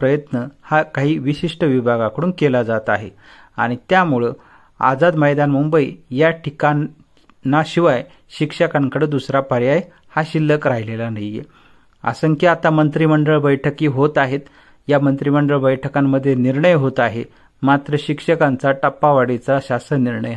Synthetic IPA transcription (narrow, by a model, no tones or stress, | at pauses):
pɾəjət̪nəhakaɦiːʋiɕiʂʈəʋibʱaɡakəɽuːnkelad͡zat̪aɦḛ | a̰ɽ̃it̪jamuɭə | a̰d͡zad̪məjd̪anmumbəiːjaʈʰika | nːaɕiʋaj | ɕikʂəkaŋkəɽed̪usɾapəɾjaj | haɕilːəkɾaɦilelanəjḛ | a̰səŋkiat̪amənt̪ɾiməɳɖəɭbəjʈʰəkiːɦot̪aɦet̪ | jamənt̪ɾiməɳɖəɭbəjʈʰəkamːəd̪ʱːjeniɾɳəjɦot̪aɦe | mat̪ɾəɕikʂəkant͡saʈapːaʋaɽit͡saɕasəniɾɳəj